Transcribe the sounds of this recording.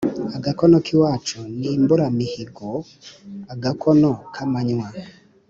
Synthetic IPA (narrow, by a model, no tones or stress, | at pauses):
aɡakɔnɔkiwat͡ʃɔnimboɾamihiɡɔ | aɡakʰɔnɔkʰamaɲwa